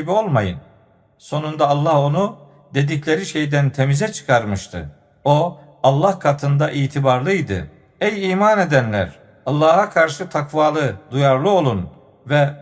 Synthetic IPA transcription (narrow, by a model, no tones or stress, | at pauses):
ibio̞lˠmajɯn | so̞nund̪aːlˠːaho̞nu | d̪e̞d̪iclʲe̞ɾiʃe̞jd̪ænt̪ʰe̞mizɛt͡ʃʰɯ̥kʰaɾmɯʃt̪ʰɯ̰ | o | alˠːahkʰat̪ʰɯnd̪aʔiːt̪ʰibaɾlˠɯjd̪ɯ̰ | ɛjiːmane̞d̪ænlʲæ̰ɾ | alˠːaːhakʰaɾʃɯt̪ʰakvaːlˠɯd̪ujaɾlˠɯo̞lˠun | vɛ